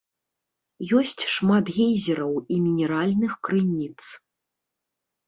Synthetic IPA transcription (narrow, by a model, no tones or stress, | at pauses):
jɔsʲt͡sʲʂmat̪ɣʲɛnʲzʲɛɾɐwimʲinʲɛɾalʲnɨxkɾɨnʲit̪s